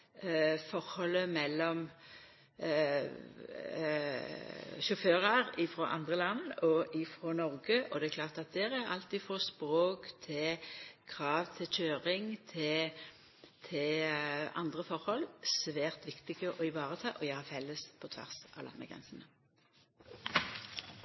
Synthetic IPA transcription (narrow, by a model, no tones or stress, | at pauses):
fɔʁhɔlːəmɛlːɔm | ʃʊføːʁɑɾɪfɾɔʔɑ̰nd̪ʁəlɑnɔʔɪfɾɔnɔʁɡəʔɔd̪ɛækʰlɑːʁt̪ɑt̪̚d̪ɛɾæɾɑ̰lt̪iːfɔspʁoːkt̪ʰɪkʰʁɑːʋt̪ʰɪlc͡çøːʁɪŋt̪ʰɪ | t̪ʰɪlɑ̰nd̪ʁəfɔʁhɔlsʋæːʁt̪ʋɪkt̪ɪɡəʔɔɪʋɑːʁət̪ʰɑːʔɔjøːhɑfɛlːəspʰɔt̪ʰʋæ̰ʁsɑ̰ʋlɑ̰nːəɡʁɛ̰nsənə